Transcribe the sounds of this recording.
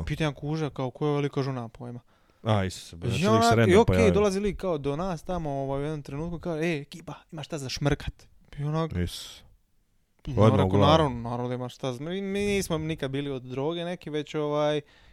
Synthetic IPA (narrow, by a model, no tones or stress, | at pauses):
pit̪aɲakuːʒakaokojeʋelikaʒunapojma | aist̪saaonaɾeiokeido̞lˠazilikaod̪onaːst̪amooʋaːjujed̪nomt̪ɾenuːt̪̚kukaːʒeeekiːpaimaʃt̪azaʃmrkḁt̪ | ionakes | ɾɾeɡkonaːɾaʋnonaːɾaʋnod̪aimaʃt̪azimiːniːsmonikad̪̚biːliod̪ːɾoːɡene̞kiʋe̞t͡ɕoʋaːj